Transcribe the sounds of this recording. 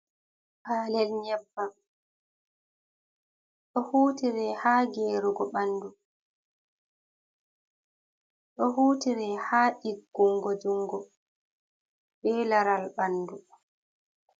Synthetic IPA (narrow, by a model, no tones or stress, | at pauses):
ʔaːlɛlɲɛbːa | ɗɔhuːtiɾɛhaːɡeːɾuɡɔɓanːdu | ɗɔhuːtiɾɛhaːɗiɡːuŋɡɔd͡ʒuŋɡɔ | bɛːlaɾalɓanːdu